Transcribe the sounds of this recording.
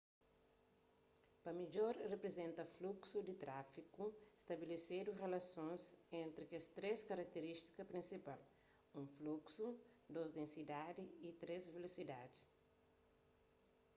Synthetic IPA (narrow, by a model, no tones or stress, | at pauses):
pɐmid͡ʒoɾrepɾezẽnt̪ɐfluksud̪it̪ɾafikust̪ɐbelesed̪urelɐsõnsẽnt̪ɾikest̪ɾeskaɾɐk̚t̪eɾist̪i̥kɐpɾĩnsipal | ũfluksud̪ozd̪ẽnsid̪ad̪iit̪ɾezvelosid̪adi